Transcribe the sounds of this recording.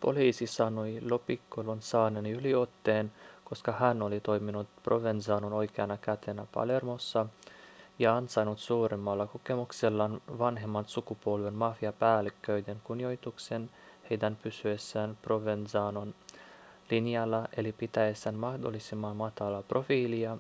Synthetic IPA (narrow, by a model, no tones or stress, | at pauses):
po̞̰liːsisɑnojlopikːolonsɑːnenylio̞t̪ːeːnko̞skɑhænolit̪o̞jminut̪prʔoʋensɑːnono̞jkeɑnɑkæt̪ʰenæpɑ̰le̞rmosːɑ | jɑɑnsɑjnut̪suːɾemːɑlːɑkokemukselːɑnʋɑnɦe̞mːɑnsukupolʋenmɑfiɑpæːlːikːøyd̪eŋkunjo̞jt̪uksen | hejd̪ænpysyesːæːnproʋensɑːnon | linjɑlːɑe̞lipit̪æesːænmɑhdo̰lːisimːɑnmɑt̪ɑlɑprʔo̞fiːliɑ